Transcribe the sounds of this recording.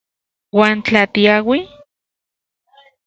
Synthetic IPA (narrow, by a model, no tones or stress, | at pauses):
waːnt͡ɬat̪iawi